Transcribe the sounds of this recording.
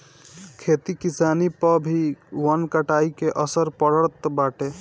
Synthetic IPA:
kʰet̪ikisanipəbʱiwənkəʈaikeʔəsəɾpəɽəɽt̪baʈe

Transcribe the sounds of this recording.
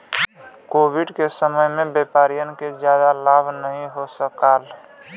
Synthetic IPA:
kobʱiɖkesəməjmebepaɾijənked͡ʒjad̪alabʱnəɦĩɦosəkal

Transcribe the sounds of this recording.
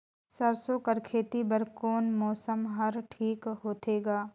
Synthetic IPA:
sɐɾsoːkɐɾkʰeːt̪ibɐɾkoːnmɔːsəmɦɐɾʈʰiːkɦoːt̪eːɡaː

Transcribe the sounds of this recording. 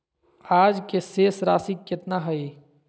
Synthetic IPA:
aːd͡ʒkeseːsɾa̰ːsikːɪt̪naɦɐiː

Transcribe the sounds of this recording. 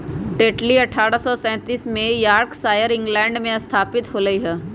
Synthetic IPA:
ɖeːʈliɐʈʰːaːɾasɔsɛ̃ːt̪iːsmẽjaːɾksaːjəɾɪ̃ŋɡlɛ̃ːɳɖmẽɐst̪ʰaːpɪt̪ɦoːlɐiɦɛː

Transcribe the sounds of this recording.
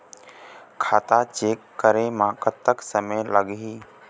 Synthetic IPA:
kʰaːt̪at͡ʃeːkːəɾemãːkət̪ːəksəmeləɠɦiː

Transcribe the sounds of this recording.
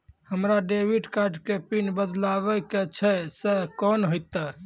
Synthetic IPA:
həmɾaɖebiʈkaɾɖkepinbəd̪laβɛket͡ʃʰɛsɛkɔnɦojt̪ə

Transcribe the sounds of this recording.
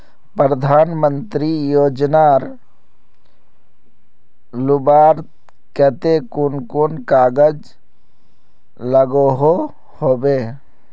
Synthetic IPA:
pɾəd̪ʱaːnmə̃nt̪ɾijoːd͡ʒnaːɾ | lʊbaːɾ | kət̪ekunkunkaːɡəd͡ʒ | ləɡoɦo | hoːbeː

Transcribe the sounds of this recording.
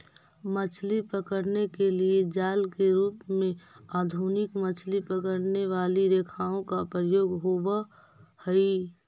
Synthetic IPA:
mət͡ʃʰlipəkəɾnekelied͡ʒaːlkeɾuːpmẽaːd̪ʱunɪkmət͡ʃʰlipəkəɾneʋaːliɾeːkʰaːõkapɾəjoːɡɦoba | həi

